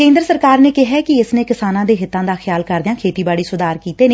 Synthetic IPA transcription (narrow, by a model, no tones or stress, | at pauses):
kẽːnd̪ɾsəɾkaːɾneːkɪɦɛːkɪɪsneːkɪsaːnãːd̪eːɦɪt̪ːãːd̪aːxʰɪjaːlkəɾd̪ɪjãːkʰeːt̪iːbaːɽiːsʊd̪aːɾkiːt̪eːnː